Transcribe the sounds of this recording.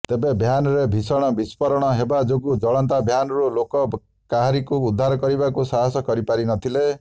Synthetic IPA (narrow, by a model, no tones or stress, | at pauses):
t̪ebebʱjanɔɾebʱisɔɽ̃ɔbispɔɾɔɽ̃ɔɦebad͡ʒoɡud͡ʒɔɭɔnt̪abʱjanɔɾulokɔ | kaɦaɾikuːd̪ʱːaɾɔkɔɾibakusaɦasɔkɔɾipaɾinɔt̪ʰile